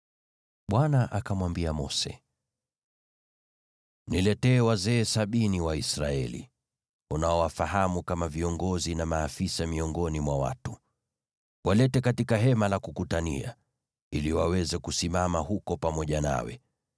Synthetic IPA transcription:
ɓwanaʔakamwambiamɔ̰sɛ̰ | nilɛtɛːwazɛːsaɓiniwaisɾaɛlḭ | unaɔwafaɦamukamaviɔŋɡɔzinamaːfisamiɔŋɡɔnimwawa̰tu | wʔalɛtɛkatikaɦɛmalakukutanḭa̰ | iliwawɛzɛkusimamaɦukɔpamɔʄana̰wɛ̰

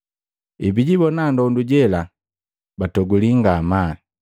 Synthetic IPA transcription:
ibiɟibɔnandɔunduɟɛla | batɔɡuliŋɡaːma

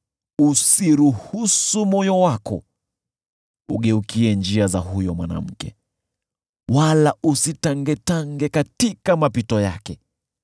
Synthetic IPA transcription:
usiɾuhusumɔjɔwakɔ̰ | ṵɠɛukiɛnd͡ʒiazahujɔmwana̰m̩kɛ | walaʔusitaŋɡɛtaŋɡɛkatikamapitɔja̰kɛ

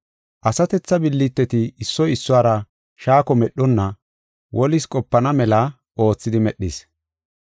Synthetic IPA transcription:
ʔɐsɐt̪ɛt͡sːɐbɪlːɪt̪ːɛt̪ɪːsːɔjɪsːʊaːɾɐ | ʃaːkɔmɛɗɔnːɐ | wʔɔlɪskʼɔpːɐnɐmɛlɐ | o̞ːt͡sːɪd̪ɪmɛɗːɪs

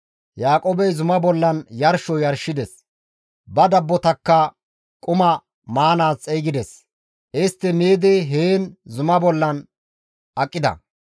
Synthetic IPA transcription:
jaːkʼoːbɛjzʊmɐbɔlːɐnjɐɾʃɔjɐɾʃɪd̪ɛs | bɐd̪ɐbːɔt̪ɐkːɐ | kʼʊmɐ | maːnaːt͡sʼːɛjɡɪd̪ɛs | ʔɪst̪ːɪmeːd̪eɦeːnzʊmɐbɔlːɐn | ʔɐkʼːɪd̪ɐ̰

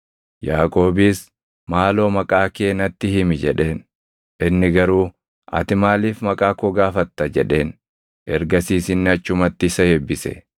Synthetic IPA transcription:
jaːkʼo̞ːbiːs | maːlo̞ːmɐkʼaːkeːnɐt̪ːɪhɪmɪd͡ʒɛᶑe̞ːn | ʔɪnːɪɡɐɾuː | ɐ̰t̪ɪmaːliːfmɐkʼaːkɔɡaːfɐt̪ːɐd͡ʒɛᶑe̞ːn | ʔɛ̰ɾɡɐsiːsɪnːɪɐt͡ʃːʊmɐt̪ːɪsɐhɛbːɪsɛ̰

